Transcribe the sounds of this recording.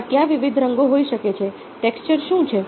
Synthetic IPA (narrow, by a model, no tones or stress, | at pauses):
k̪jãʋiʋid̪ʱɾəŋɡoɦoiʃəket͡ʃʰe | ʈekst͡ʃəɾʃũt͡ʃʰe